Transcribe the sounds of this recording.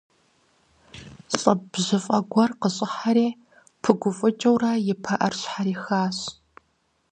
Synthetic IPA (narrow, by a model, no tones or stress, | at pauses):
ɕʼɐbʑɨfʼɐɡʷɔrqəɕʼɪħaɾeː | pʰɨɡʷʊfʼɨt͡ʃʼɐwrɐjɪpʰɐʔɐrɕħaɾeːxaːɕ